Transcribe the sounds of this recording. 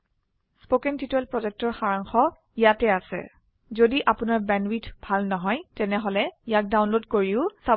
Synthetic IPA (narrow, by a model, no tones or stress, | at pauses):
spokɛntitɛlpɹɔzɛk̚tɔɹxaɹaŋxɔ | ijatɛasɛ̰ | zodiʔapʊnaɹbɛnwitb̥ʱalnɔɦɔjtɛnɛɦɔlɛijak̚dawnlodkoɹiʊsa